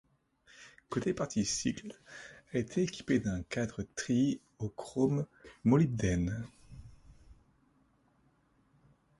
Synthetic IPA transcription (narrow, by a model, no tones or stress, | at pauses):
kot̪epaʁt̪ʰisḭklaet̪ʰeːkʲi̥ped̪ɛ̃kad̪ʁət̪χi | okχomːɔlib̚d̪ɛn